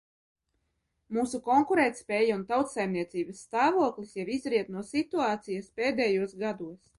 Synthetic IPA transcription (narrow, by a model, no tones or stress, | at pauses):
muːsukɔŋkuɾɛːt̪spʲɛːjaunt̪awt̪sajmniɛt̪siːbɐsːt̪aːvuɔklˠisjavizɾiɛt̪nuɔsit̪uaːt̪sijɐspʲeːd̪ɛjuɔsɡad̪uɔs